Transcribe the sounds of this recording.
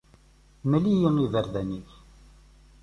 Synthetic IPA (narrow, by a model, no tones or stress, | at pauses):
məlijənivəɾðæniθ